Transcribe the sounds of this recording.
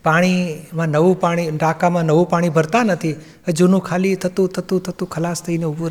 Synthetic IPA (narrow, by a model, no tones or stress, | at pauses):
paːɽ̃imãnəʋũpaɽ̃iʈaːkamãnəʋũpaːɽ̃ibʱəɾt̪anət̪ʰi | əd͡ʒunũkʰaːlit̪ʰət̪ũt̪ʰət̪ũt̪ʰət̪ũkʰəlaːst̪ʰəineʊbuɾ